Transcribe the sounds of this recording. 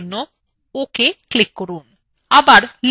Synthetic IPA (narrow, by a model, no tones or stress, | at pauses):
nːo | okeklikːoɾuːn | abaɾl